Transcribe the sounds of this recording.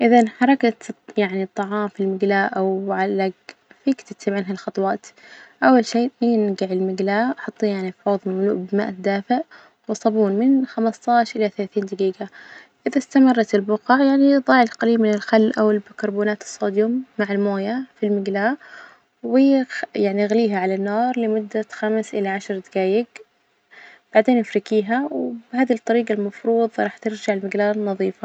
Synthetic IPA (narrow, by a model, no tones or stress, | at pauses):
ʔɪðanħɑɾˤɑkat̪jaʕnit̪ˤːɑʕɑːmfilmɪɡlaːʔawʕalːaɡfiːkt̪ɪt̪ːɪbʕanɦalxɑt̪ˤwɑːt̪ʔawːalʃeːʔinɡɪʕɪlmɪɡlaːʔɑħɑt̪ˤːiːjaʕnifħoːðˤmamlṵːʔbɪma̰ːʔad̪aːfɪʕ | wɪsˤɑbuːnmɪnxamɑst̪ˤɑːʃʔɪlaθalaːθiːnd̪aɡiːɡa | ʔɪðast̪amɑrˤːɑt̪ɪlbʊqɑʕjaʕniðˤɑːʕɪlqaliːbmɪnɪlxalːʔawɪlbɪkɑɾˤbuːnaːt̪ɨ̥sˤːoːd̪jʊmːaʕɪlmoːjafilmɪɡlaː | wɪjːjaʕniɣliːɦaʕalanːɑːɾˤlɪmʊd̪ːaxamsʔɪlaʕaʃɑɾˤd̪aɡaːjɪɡ | b̥aʕd̪eːnɪfɾɪkiːɦawbhaːd̪it̪ˤːɑɾiːɡalmɑfɾuːðˤɾˤɑːħt̪ɪɾd͡ʒaʕɪlmɪɡlaːnːɑðˤiːfa